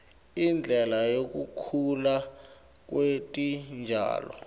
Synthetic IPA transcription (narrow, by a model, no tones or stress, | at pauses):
ind͡ɮʱɛlajok̬ʼṵkʰula | k̬ʼwetʼind͡ʒʱa̰ːlɔ̰